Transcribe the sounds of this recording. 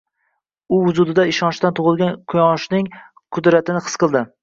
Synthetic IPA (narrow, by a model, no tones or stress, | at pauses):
ʊʊzʊd̪ɪd̪aɪʃɒnʃt̪ant̪ʰʊʁɨlˠɡʲankʰʊjɒʃnɪŋ | qʰʊd̪ɾat̪ɪnɪqʰɨsqʰɨlˠd̪ɪ